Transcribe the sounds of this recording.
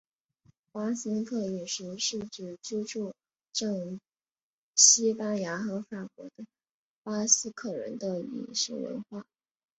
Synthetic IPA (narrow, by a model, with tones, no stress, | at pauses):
pa˥sə˥nkʰɤ˥˩i˨˩ʂu˧˥ʂu˥˩ʈ͡ʂ̩˥˩t͡ɕu˥ʈ͡ʂʰu˥˧ | ʈ͡ʂɤ˥˧ŋ | ɕi˥pa˥nja˧˥xɤ˧˥fa˨˩kwɔ̰˧˥d̪ə˧ | pa˥sɹ̩˥kʰɤ˥˩ɻə̰˧˥nd̪ə˧ḭ˨˩ʂṵ˧˥˩wə̰˧˥nxwa˥˩